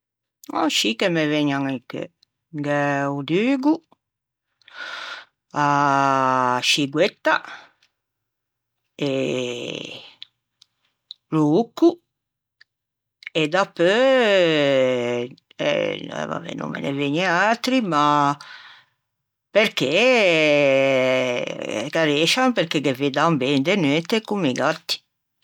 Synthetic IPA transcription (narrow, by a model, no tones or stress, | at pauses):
a̰ʃikemeveɲaŋikḛ | ɡɛud̪yːɡu | a | ʃiɡwet̪ːa̰ | e | luukːu | ed̪apːø | ɛ̰ma̰vḛnṵmmḛnḛveɲɛalt̪ɾima | peɾke | kaɾeʃampeɾkekːeved̪ambɛnd̪enɛnt̪ekumːiɡat̪ːi̥